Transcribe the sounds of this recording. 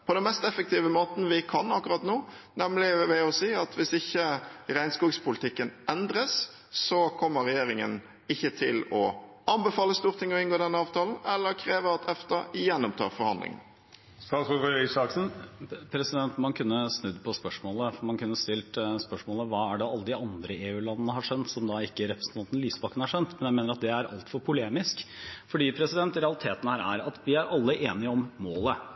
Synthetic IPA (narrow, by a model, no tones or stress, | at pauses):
pʰɔd̪ɛnmɛst̪ɛfːək̚t̪iːʋəmoːt̪n̩ʋɪkʰɑnɑkːʊɾɑt̪noː | nɛmlɪʋɛɔsiːɑt̪ʰʋɪsɪçːəɾæɪnskuːɡspʰʊlɪt̪ʰɪkːənʔɛnd̪ɾəs | sɔkʰɔmːəɾɛjeːɾɪŋə̰n | ɪçːət̪ʰɪ̰lɔ̰ | ɑnbɛfɑːləst̪uːʁt̪ʰɪŋːɔɪnɡoːd̪ɛnːəɑːʋt̪ʰɑːln̩ɛlːəɾkʰɾeːʋəɾɑt̪ʰɛft̪ɑjɛnːɔmt̪ʰɑ̰ːʁfɔɾhɑ̰nd̪lɪ̰ŋ̰n | st̪ɑːsɔfɔœʏsɑːksn̩pʰɾɛsɪd̪ɛnt̪mɑnkʰʉnːəsnʉd̪ːpʰɔspœʂmoːləfɔmɑnkʰʉnːəst̪ɪlt̪spœʂmoːləʋɑːæɖɛɑlːəd̪ɪɑnd̪ɾəeːʉːlɑnənəhɑʂɛnt̪sɔmd̪ɑɪkːəɾɛpɾəsnt̪ʰɑnt̪ənliːsbɑkənəhɑʂɛnt̪mɛnjæɪmeːnəɾɑt̪̚d̪ɛæɾʔɑ̰lt̪fɔɾpʰʊleːmɪskfɔɖiːpʰɾɛsɪd̪ɛnt̪ɾɛɑlɪt̪ʰeːt̪ənhæːɾæ̰ɾɑt̪ʋɪæɾʔɑlːəʔeːnɪəɔmmoːlə